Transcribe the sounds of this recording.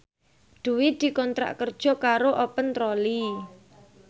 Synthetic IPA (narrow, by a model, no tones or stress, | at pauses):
ɖ̪̥ṳwɪd̪̥i̤kɔnt̪ɾa̰ʔkərd̥ʒ̥ɔ̤kaɾoʔɔpənt̪ɾɔli